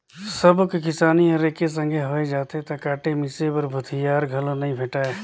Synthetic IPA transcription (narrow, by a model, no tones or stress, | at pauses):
səbkkɪsaːniɔɾeːkes̬ə̃ŋɡʱeɦoːed͡ʒaːt̪et̪ɐkaːʈemɪsepəɾbʱʊt̪ʰɪjaːɾɡʱɐlõnɐɦĩbʱeːʈaːe